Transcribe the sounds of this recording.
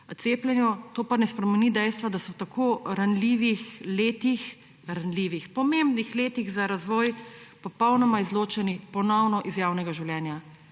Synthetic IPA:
t̪seːplʲɛnjut̪oːpanɛspɾɛmɛnid̪ɛjst̪ʋad̪asɔt̪akoːɾanliːʋixleːt̪ix | ɾanliʋixpɔmembnixleːt̪iɣzaɾazʋɔːjpɔpɔwnɔmaizloːt͡ʃɛnipɔnɔwnɔʔizjaːwnɛɡaʒiwlʲjɛːnja

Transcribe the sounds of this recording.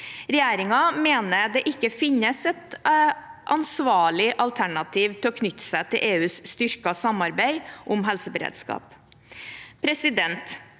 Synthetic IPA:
ɾɛjeːɾɪŋɑmeːnəd̪ɛʔɪkːəfɪnːəsɛt̪ | ʔɑ̰nsʋɑːɭɪʔɑlt̪ʰæɳɑt̪ʰiːʋt̪ʰɪlɔkʰnʏt̪ːsæɪt̪ʰɪlʔeːʉːsst̪ʏɾkɑsɑmɑɾbæɪʔʊmɦɛlsəbəɾḛːd̪skɑ̰ːp | pʰɾɛsɪd̪ɛnt̪

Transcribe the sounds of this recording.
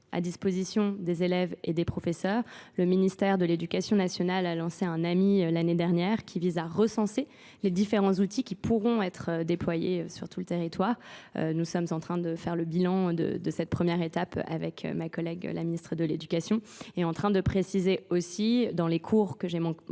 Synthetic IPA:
a̰d̪ispozisjɔ̃d̪ezelɛvḛd̪epχɔfesœːʁləminist̪ɛʁd̪əled̪ykasjɔ̃nasjɔnalalɑ̃seɛ̃namilaned̪ɛʁnjɛːʁkʲʰivizaʁəsɑ̃se | led̪ifeʁɑ̃zut̪ikʲipuʁɔ̃ɛt̪χød̪eplwajeøsyʁt̪ʰulət̪eʁit̪waːʁø̰nusɔmzɑ̃t̪χɛ̃d̪əfɛʁləbilɑ̃d̪ə̰d̪əsɛt̪̚pχəmjɛʁet̪apa̰vɛkʰø̰makɔlɛɡ̰la̰minist̪χəd̪əled̪ykasjɔ̃ | ɛɑ̃t̪χɛ̃d̪əpχesizeosid̪ɑ̃lekʰuʁkəʒemɑ̃

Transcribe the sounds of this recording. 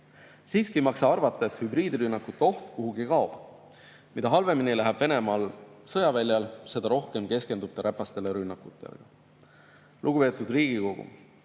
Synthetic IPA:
siːskimɑksɑɑrvɑt̪ːˑɑet̪hybriːd̪iɾynːɑkːut̪ːo̞ht̪kuɦuɡikɑob̥ | mid̪̥ɑɦɑlve̞minilæɦɛb̥ve̞ne̞mɑːlsɤ̞jɑvælʲjɑlse̞d̪̥ɑɾo̞hke̞mke̞ske̞nd̪̥up̚t̪ːˑeɾʔæpːɑst̪e̞leɾynːɑkːˑut̪ːˑe̞̰lḛɡ̥ɑ | luɡ̥upe̞ːt̪ːˑud̪riːɡ̥iko̞ɡ̥ṵ

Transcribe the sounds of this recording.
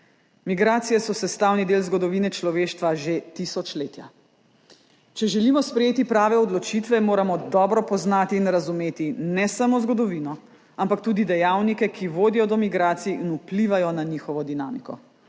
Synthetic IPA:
miɡɾaːt̪sijɛsɔsɛst̪aːwnid̪eːlzɡɔd̪ɔʋiːnɛt͡ʃlɔʋeːʃt̪ʋaʒet̪isɔt͡ʃleːt̪ja̰ | t͡ʃɛʒɛlimɔspɾɛjeːt̪ipɾaːʋɛɔd̪lɔt͡ʃit̪ʋɛmoːɾamɔd̪ɔːbɾɔpɔznaːt̪iːnɾazumeːt̪inɛsamozɡɔd̪ɔʋinɔ | ampak̚t̪uːd̪id̪ɛjaːwnikɛkʰiʋoːd̪ijɔd̪ɔmiɡɾaːt̪sijːnupliʋajɔnaɲixɔʋɔd̪inaːmikɔ

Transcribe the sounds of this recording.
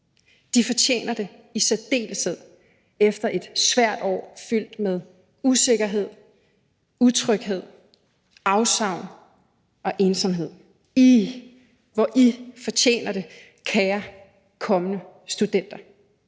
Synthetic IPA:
d̥ifɒ̽t͡ɕʰḛːnɐd̥e̝isæd̥e̝̰ːləseð̰ˠ | efd̥ɐʔe̝d̥sʋæɐ̰d̥ɒ̰ːfyl̰d̥með̞ˠ | use̝ɡ̥ɐɦe̝ð̞̰ˠ | ut͡sʰʁœɡ̥ɦe̝ð̰ˠ | ɑ̈ʊsɑ̈ʊ̰n | ɒ̽ʔe̝ːnsɒmɦe̝ð̰ˠ | i | ʋɒʔifɒ̽t͡ɕʰḛːnɐɾ̥e̝ | kʰɛːɐ | kʰɒ̽mənə | sd̥ud̥en̰d̥ɐ

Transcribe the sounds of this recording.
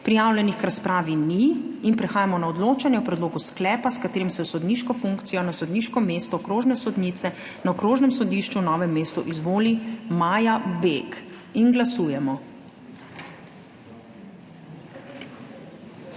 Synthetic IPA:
pɾijaːwlʲɛnixkɾaspɾaːʋiniːnpɾɛxaːjamɔnaɔd̪loːt͡ʃanjɛɔpɾɛd̪loːɡusklɛːpaskat̪eːɾimsɛsɔd̪niːʃkɔfuŋkt̪sijɔnasɔd̪niːʃkɔmeːst̪ɔkɾoːʒnɛsɔd̪niːt̪sɛ | naɔkɾoːʒnɛmsɔd̪iʃt͡ʃunɔːʋɛmːeːst̪uʔizʋoːlimaːjabek | inɡlasuːjɛmɔ

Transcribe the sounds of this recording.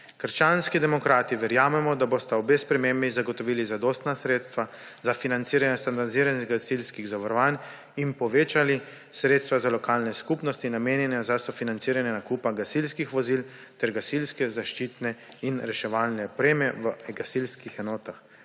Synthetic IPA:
kəɾʃt͡ʃanskid̪ɛmɔkɾaːt̪iʋɛɾjaːmɛmɔd̪abost̪aɔbespɾɛmembizaɡɔt̪ɔʋiːlizad̪oːst̪nasɾeːt̪st̪ʋazafinant̪siːɾanjɛst̪and̪aɾd̪iziːɾaniɡasilskiɣzaʋaɾɔʋaːn | inpɔʋeːt͡ʃali | sɾeːt̪st̪ʋazalɔkaːlnɛskupnɔst̪inameːnjɛnɛzasɔfinant̪siːɾanjɛnakupaɡasilskixʋɔzil | t̪ɛɾɡasilskɛzaʃt͡ʃiːt̪nɛinɾɛʃɛʋaːlnɛpɾeːmjɛʋəɡasilskixɛnɔːt̪ax

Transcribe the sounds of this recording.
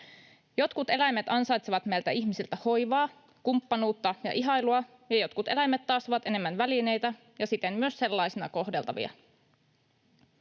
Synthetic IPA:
jo̞t̪kut̪e̞læjmet̪ɑnsɑjt̪seʋɑt̪mejlt̪æiçmisilt̪æho̞jʋɑː | kumpːɑnuːt̪ːɑjɑ̰ʔiɦɑjluɑ | jɑjo̞t̪kut̪e̞læjmːet̪ːɑːst̪oʋɑt̪e̞ne̞mːænʋæline̞jt̪æ | jɑsit̪emmyøsse̞lːɑjsinɑ̰ko̞hde̞lt̪ɑ̰ʋḭɑ̰

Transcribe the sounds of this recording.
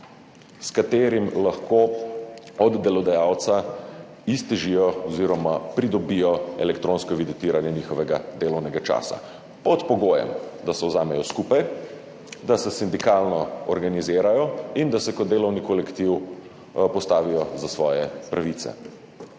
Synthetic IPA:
skat̪eːɾimlaxko | ɔd̪ːɛlɔd̪ajawt̪sa | ist̪ɛʒijɔɔziɾɔmapɾid̪ɔbijɔɛlɛkt̪ɾoːnskɔʋid̪it̪iːɾanjɛniːxɔʋɛɡad̪eːlɔwnɛɡat͡ʃa̰ːsa̰ | pɔt̪pɔɡoːjɛ̰md̪asɛwzaːmɛjɔskupaj | d̪asɛsind̪ikaːlnɔɔɾɡanizeːɾajɔind̪asɛkɔd̪d̪eːlɔwnikɔlɛkt̪iw | pɔst̪aːʋijɔzasʋɔːjɛpɾʔaʋit̪sɛ̰

